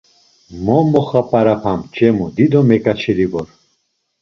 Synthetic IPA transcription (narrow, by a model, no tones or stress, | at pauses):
mɔmɔχapʼaɾapʰamt͡ʃʼɛmud̪id̪ɔmɛkʼat͡ʃʰiɾiɡɔɾ